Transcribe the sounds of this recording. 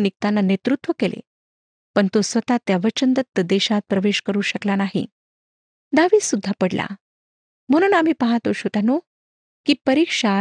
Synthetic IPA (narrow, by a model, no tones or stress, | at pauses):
nik̚t̪anːanet̪ɾut̪ʋəkelḛ | pəɳt̪osʋət̪at̪jaʋət͡ɕənd̪ət̪ːəd̪eɕãt̪̚pɾəʋeɕkəɾuːɕəklanaɦḭ | d̪aʋiːsud̪ʱːapəɽla̰ | m̤əɽ̃uːnam̤iːpəɦat̪oɕot̪ano | kiːpəɾikʂa